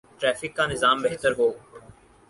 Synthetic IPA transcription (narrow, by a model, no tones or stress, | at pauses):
ʈɾɛːfɪkːãːnɪzaːmbeɦt̪əɾɦoː